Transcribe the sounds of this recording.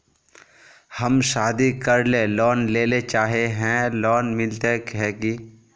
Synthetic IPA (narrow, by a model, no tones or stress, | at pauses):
həmʃaːd̪ikəɾlelɔːnleːlet͡ʃaːɦeɦɛ̃lɔːnmɪlt̪ekɦɛki